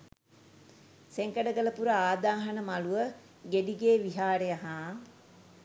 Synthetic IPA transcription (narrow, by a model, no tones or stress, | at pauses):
seŋkəɖəɡələpuɾəaːd̪aːɦənəmaluʋə | ɡeɖiɡeːʋiɦaːɾejaɦaː